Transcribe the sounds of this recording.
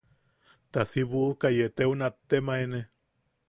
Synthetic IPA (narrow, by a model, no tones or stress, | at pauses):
t̪asiβukajet̪eunat̪ːemaene